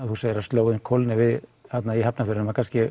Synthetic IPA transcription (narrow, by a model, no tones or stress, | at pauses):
aðhusaːjɪɾast̪oːwðɪnmkʰɔlnɪvɪðhat̪naihɦapnafɪɾnʏmakʰanscɪ